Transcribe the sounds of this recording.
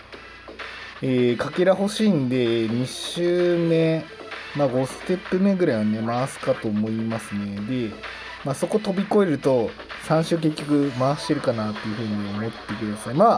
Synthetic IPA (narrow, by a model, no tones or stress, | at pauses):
eːkakeɾaɦo̞ɕiːnd̪e̞ɲ̟iɕɨːme̞maːɡo̞st̪e̞pːɯme̞ɡɯɾajβane̞maasɨ̥kat̪o̞ːmo̞imasɨne̞d̪e̞ | maːso̞ko̞t̪o̞bʲiko̞e̞ɾɯ̟t̪o̞ | sãɰ̃ɕɨːk̬e̞k̬ʲːo̞kɯ̟maːɕi̥t̪e̞ɾɯ̟kanat̪ːe̞jɯ̟ɸɯ̟ːɲ̟iomo̞t̪ːe̞kɯ̟d̪asaimaː